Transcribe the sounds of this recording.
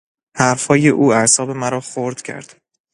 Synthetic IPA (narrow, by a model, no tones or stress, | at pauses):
hæɾfhɒːjeʔuːæɾsɒːbe̞mæɾɒːxoɾd̪̥cʰæ̰ɾd̪̥